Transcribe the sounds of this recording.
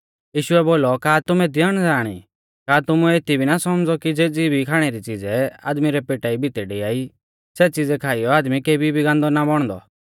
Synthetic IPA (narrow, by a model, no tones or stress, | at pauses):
jiːʃʊɛboːlɔkaːt̪ʊmɛ̃d̪jəɽ̃d͡zaːɽ̃ḭ | kaːt̪ʊmũeːt̪ibʱinasɔmd͡zɔkid͡zeːd͡zibʱikʰaːɽ̃ɛɾit͡sid͡zɛa̰ːd̪miɾɛpeːʈaibʱɪt̪ɛɖiaːi | sɛt͡sid͡zɛkʰaːijɔaːd̪mikeːbʱibʱiɡãːnd̪ɔnabɔɽ̃d̪ɔ̰